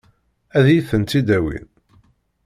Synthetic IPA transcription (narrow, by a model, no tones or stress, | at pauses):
æðjiθənt̪ːid̪æwḭn